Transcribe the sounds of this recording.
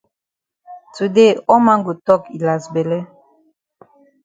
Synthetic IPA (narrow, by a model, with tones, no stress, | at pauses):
tu˨de˦˨ɔ˦ma˦ŋɡo˨tɔ˦˨ki˨la˨sbe˨lɛ˦